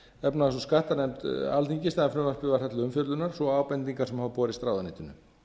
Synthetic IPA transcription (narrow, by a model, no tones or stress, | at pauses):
ɛpnaɛsɔskaht̪anɛmt̪alt̪iɲcɪst̪aðɛflœːmaspɪvaɾ̥θɛt̪ɪʏmfjœɾlʏnaɾ̥sɔaːwpɛnt̪iŋkaɾ̥sɛmhavapɔːɾɪst̪ɾaːwðaniːht̪ʏnːʏ̰